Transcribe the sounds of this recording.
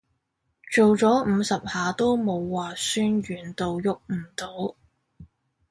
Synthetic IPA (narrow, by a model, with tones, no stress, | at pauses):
t͡ʃo˨wt͡sɔː˨˥m̩˨˧sɐ˨p̚haː˨˧t̪o˥wmo˨˧wːaː˨syː˥nɥyː˨˩nt̪o˨wjʊ˨k̚m̩˨˩t̪o˨˥w